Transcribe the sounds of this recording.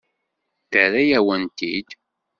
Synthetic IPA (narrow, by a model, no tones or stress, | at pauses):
θəɾæjæwənt̪id̪